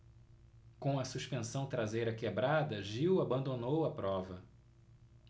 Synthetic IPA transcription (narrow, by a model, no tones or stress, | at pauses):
kõw̃ɐsuʃpẽsɐ̃w̃t̪ɾazejɾɐkebɾad̪ɐʒiwabɐ̃nd̪onowɐpɾɔvɐ